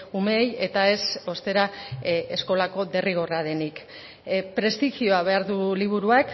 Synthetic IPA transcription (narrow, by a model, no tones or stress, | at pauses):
umeje̞t̪ae̞so̞st̪e̞ɾae̞sko̞lako̞ðe̞riɣ̞o̞raðe̞nik | pɾe̞st̪iʝio̞aβ̞e̞aɾðuliβ̞uɾuak